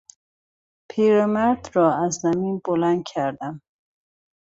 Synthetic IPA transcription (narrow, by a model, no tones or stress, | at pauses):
pʰiːɾemæɾd̪ɾɒːæzzæmiːnbolænd̪̚cʲʰæɾd̪æm